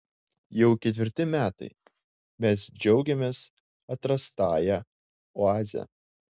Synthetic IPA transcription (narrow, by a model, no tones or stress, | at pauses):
jɛʊkʲɛt̪ʲʋʲɪɾʲt̪ʲɪmʲæːt̪ɐ̰ɪ | mʲɛsd͡ʒʲɛʊɡʲɛmʲeːs | ɐt̪ɾɐst̪ɑːjæ | oɑːzʲɛ̰